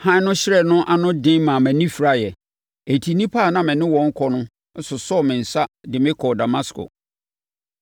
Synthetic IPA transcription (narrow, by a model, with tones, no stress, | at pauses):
hã˦nʊ̃˦ɕɪ˦ɾɛ˨nʊ̃˦ʔa˨nʊ̃˦dɪ̃˦mãː˨mæ̃˨nĩ˦fi˨ɾa˦˨jɛ˨ | e˨tʰi˨nĩ˦pʰa˦˨nã˨mɪ̃˨nɪ̃˦wɔ̃˨˦ŋ̩˦kʰɔ˨nʊ̃˦ | n̩˦sʊ˨sɔ˦˨mɪ̃˨n̩˨sa˦dɪ˨mɪ̃˦kʰɔ˨da˨ma˦skʰʊ̰˨